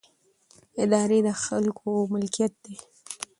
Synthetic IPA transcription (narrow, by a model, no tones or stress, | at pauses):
ɪd̪ɑɾed̪əxalkʰomɪlkijat̪̚d̪e